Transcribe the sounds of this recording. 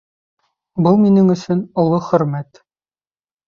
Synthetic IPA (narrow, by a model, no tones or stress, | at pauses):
bɤlˠminɘŋɵ̆sɵnŏlˠɤχɵ̆ɾmæt̪